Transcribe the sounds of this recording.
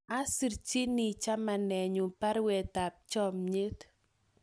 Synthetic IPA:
a˦si˨rt͡ʃi˦ni˨t͡ʃa˦ma˨nɛ˨ɲu˨pa˦ɾwɛ˨ta˨p̚t͡ʃɔ˦mɲe˦t

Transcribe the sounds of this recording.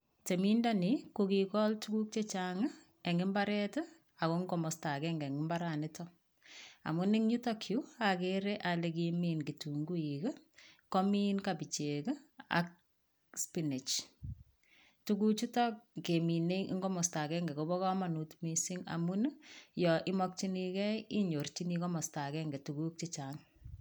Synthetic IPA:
te˨mi˦ndani˨koki˨kɔltuku˦k̚t͡ʃe˦t͡ʃaŋa˦ | ɛ˨ŋɪ˦mbaɾɛtə | a˨koŋɡɔmɔsta˨kɛŋɡɛ˨ŋɪ˦mba˦ɾanɪtɔ | a̰˨mu˦nɪ˦ŋɲu˦tɔkʰju˦akeɾe˦ʔale˨k̬iminki˨tu˨ŋɡu˦ikə˦kɔ˦mi˦nkabi˨t͡ʃe˨kə˦a̰˦k̚ | spini˨t͡ʃ | tu˦ku˦t͡ʃu˦tɔ˦k̚ke˨mi˨nḛ˦ŋɡɔ˦mɔ˨sta˨kɛ˦ŋɡɛ˨kobɔ˦kɔ˦ma˨nu˨tmisi˦ŋa̰˨mu˦n˦jɔ˨ʔɪ˦mɔ˦k̚t͡ʃi˦ni˧kɛ˦ii˦ɲo˨rt͡ʃi˦ni˦kɔ˦mɔ˨sta˨kɛ˦ŋɡɛ˨tu˨ku˦k̚t͡ʃi˦t͡ʃaŋ

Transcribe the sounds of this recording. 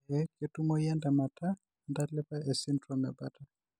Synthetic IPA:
ɛke˨tu˦mɔ˦jɛ˦nda˨ma˨tʰa˦ | nda˦tlɛ˦pa˦e˨si˦ndrɔmɛ˨ba˦ta˨

